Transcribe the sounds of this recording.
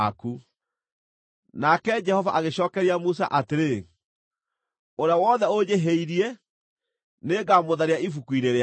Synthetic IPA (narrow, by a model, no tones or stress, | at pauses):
aku | nakɛd͡ʒɛhɔvaʔaɣeɕɔːkɛɾiamus̬a̰ʔateɾe | oɾeawɔðɛod͡ʑeɦeiɾiɛ | neːɡamoðaɾeaifukuineɾe